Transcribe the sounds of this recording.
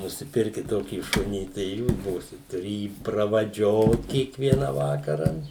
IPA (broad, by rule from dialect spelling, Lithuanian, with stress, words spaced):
nʊsʲɪˈpʲɪrʲkʲɪt ˈtoːkʲiː ˈʃʊnʲiː tɐɪ ɪ ˈjuːs ˈbuːsʲɪt tʊˈrʲɪ ˈjiː prɐʋɐˈd͡ʒʲoːt kʲiɛkˈʋʲiɛnɐ ˈʋɑːkɐrɐ